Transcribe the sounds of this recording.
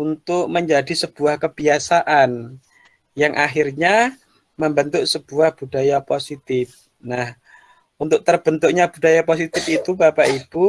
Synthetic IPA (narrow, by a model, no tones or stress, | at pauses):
unt̪ʊʔ̚məɲd͡ʒadisəb̥uahkəb̥iasaʔan | jaŋʔaɦirɲa | məmbənt̪ʊʔsəb̥uahb̥udajaposit̪ɪf | nah | unt̪ʊk̚t̪ərb̥ənt̪ukɲab̥udajapos̬it̪ɪfit̪ubapaʔib̥u